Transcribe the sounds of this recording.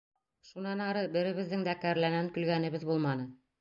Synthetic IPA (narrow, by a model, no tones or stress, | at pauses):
ʃunɑnɑɾɤbɘ̆ɾɘ̆βɘ̆ðːɘŋd̪ækæɾlænæŋkɵ̆lɡænɘ̆βɘðbulˠmɑnɤ